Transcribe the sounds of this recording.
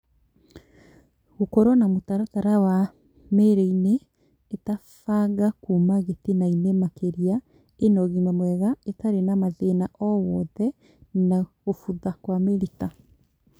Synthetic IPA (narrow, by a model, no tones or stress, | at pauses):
ɣokɔɾɔnamotaɾataɾawa | meɾeineː | tafaɣakumaɣetenainemakeɾia | enɔɣimamwɛɣaetaɾenamaðenaʔɔwɔðɛ | naɣofuðakwameɾita